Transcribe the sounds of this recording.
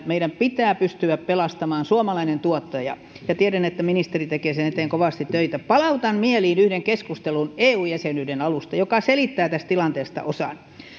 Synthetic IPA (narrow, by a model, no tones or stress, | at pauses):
meiɾæmpit̪æːpyst̪yæppelɑst̪ɑmɑːnsuomɑlɑinent̪uot̪ːɑjɑ̰ | jɑt̪ieɾænet̪ːæminist̪erit̪ekeːsenet̪eːŋkoʋɑˑst̪it̪t̪øit̪æpɑlɑut̪ɑnmieliːnyhdeŋkeskust̪eluneːuːjjæsenyːdenɑlust̪ɑjokɑselit̪ːæːt̪æst̪t̪ilɑnt̪eːst̪ɑ̰ʔosɑ̰n